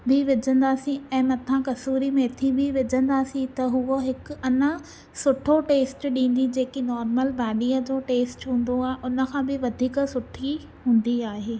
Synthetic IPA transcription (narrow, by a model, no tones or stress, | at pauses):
bʱɪʋɪd͡ʑə̃nd̪aːsĩɛ̃ːmɐt̪ʰãkɐsuːɾimẽt̪ʰĩbɪʋɪd͡ʑə̃nd̪aːsĩt̪ɐɦʊoɦɪkʊ̆ɐnə | sʊʈʰoʈeːsʈɗĩːn̆d̪id͡ʑeːkinɔːɾməlbaːɗiːəd͡ʑoːʈeːsʈɦũːn̆d̪oaːɦeʔʊnə̆kʰãːbɪʋɐd̪ʱiːksʊʈʰi | ɦũːn̆d̪iaːɦeː